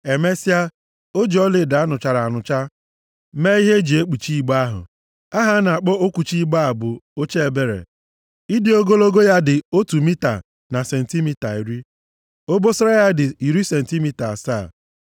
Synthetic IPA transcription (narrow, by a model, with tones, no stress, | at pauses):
e˨me˦si˦a˦ | o˦d͡ʒi˨˦ɔ˦lɪ˨da˨˦nʊ˨t͡ʃa˨ɾa˨a˨nʊ˨t͡ʃa˦ | me˦i˦ɦe˦d͡ʒi˨e˦k͡pi˨t͡ʃi˦i˦˨ɡ͡ba˦ɦʊ̰˨ | a˦ɦa˦na˨k͡pɔ˦o˦ku˨t͡ʃi˦i˦ɡ͡ba˦a˨bʊ˨o˦t͡ʃe˦e˨be˦ɾḛ˨ | i˦dɪ˦o˦ɡo˦lo˦ɡo˦ja˦dɪ˨o˦tu˨mi˦ta̰˨ | na˨se˨n̩˨ti˦mi˦ta˨i˨ɾi˦ | o˦bo˦sɾa˦ja˦dɪ˨i˨ɾi˦se˨n̩˨ti˦mi˦ta˨saː˦˨